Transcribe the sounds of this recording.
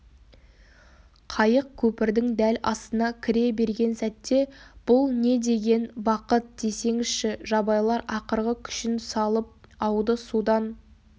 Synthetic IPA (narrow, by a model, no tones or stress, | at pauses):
qʰɑjəq̚kʲʰɵpɪɾd̪ɪŋd̪ælɑ̰st̪ənɑkʲʰɪɾe̞be̞ɾɡʲe̞nsæt̪ːe̞b̥ʊlˠne̞d̪e̞ɡʲe̞nbɑqət̪̚d̪̥e̞se̞ŋɪzʃɪʒɑbɑjlˠɑɾɑqəɾʁəkʲʰʏ̥ʃɪnsɑlˠəp̚ɑwd̪əsud̪ɑn